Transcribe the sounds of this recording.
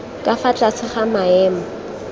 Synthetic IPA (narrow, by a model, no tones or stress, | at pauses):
kʼafat͡ɬʼasʰɪχamaɛːma